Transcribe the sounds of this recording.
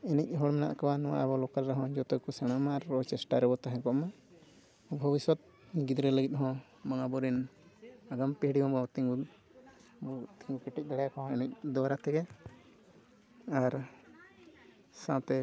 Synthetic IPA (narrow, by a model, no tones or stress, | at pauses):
inic̚ˀɦɔɽmɛna̰ʔkabanɔ̃wa̰ʔabɔlɔkaɾɾɛɦɔ̃d͡ʒɔt̪ɛkɔsɛɽ̃amaːɾɔt͡ʃɛsʈaɾɛbɔt̪aɦɛ̃kɔʔma | bʱɔbiswɔt̪̚ | ɡid̪ɾɛləɡit̪̚ˀɦɔ̃ | mbaŋabɔɾin | aɡampɛɦɽimãbɔt̪iŋɡu | t̪ʰĩŋɡukiʈic̚ˀd̪aɽajakɔɦɔ̃inic̚d̪ɔwaɾat̪ʰɛɡɛ | aɾ | sãt̪ɛ